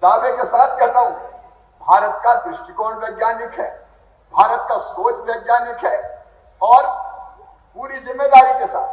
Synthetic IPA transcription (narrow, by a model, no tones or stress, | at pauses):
d̪aːbekesaːt̪̚ʰkɛɦt̪aɦũ | bʱaːɾət̪̚kad̪ɾɪʃʈikɔːɽd͡ʒɐɡjaːnɪkʰɦɛː | bʱaːɾət̪kasoːt͡ʃd͡ʒɐɡjaːnɪkʰɦɛː | ɔːɾ | puːɾizɪmːed̪aːɾikesa̰ːt̪ʰ